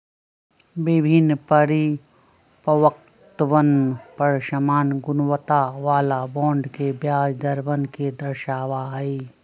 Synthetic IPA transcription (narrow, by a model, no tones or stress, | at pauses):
ʋɪbʱɪnpəɾi | pəʋək̚ | t̪ʋənpəɾʃəmaːnɡʊnʋət̪aʋaːlabɔ̃ːɳɖkebjaːd͡ʒd̪əɾbənked̪əɾʃaːʋaɦɐiː